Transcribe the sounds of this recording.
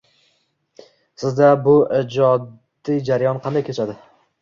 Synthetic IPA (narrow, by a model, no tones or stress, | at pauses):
sɪzd̪abʊɪd͡ʒɒd̪ijd͡ʒaɾajɒnqʰɑnd̪ajkʲʰet͡ʃʰad̪ɪ